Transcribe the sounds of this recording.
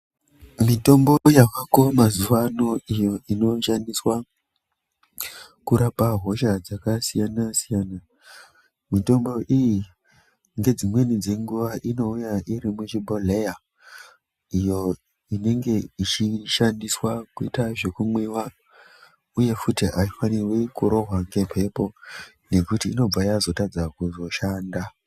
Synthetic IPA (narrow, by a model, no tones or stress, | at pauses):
mito̞mbo̞jakako̞mazuʋano̞ijo̞ino̞ʃandiswa | kuɾapaɦo̞ʃad͡zakasijanasijaːna | mito̞mbo̞ʔiji | ŋɡe̞d͡zimwe̞nid͡ze̞ŋɡuʋaʔino̞ujaʔiɾimut͡ʃibʱole̞ja | ijo̞ | ine̞ŋɡe̞it͡ʃiʃandiswakuitaʐe̞kumwiwa | uje̞futiʔaifaniwekuɾo̞ɦwaŋɡe̞pʰe̞po̞ | ne̞kutiːno̞b͡vajazo̞tad͡zakuzo̞ʃaːnda